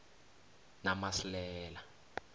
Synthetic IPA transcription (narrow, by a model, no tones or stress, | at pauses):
namaslɛːla